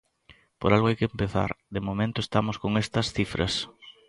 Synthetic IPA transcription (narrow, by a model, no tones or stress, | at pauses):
poɾalɡɣoajkɪempeθa̰ɾd̪emomẽnt̪ʊest̪amoskoŋest̪ɐsθifɾʔɐ̰s